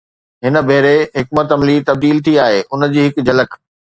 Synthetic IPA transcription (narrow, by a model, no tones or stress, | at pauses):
ɦɪnə̆bʱeɦɾeɦɪkmət̪ɐmlit̪ɐb̚d̪iːlt̪ʰiaːɦeːʔʊn̆d͡ʑiːɦɪkd͡ʑɐlək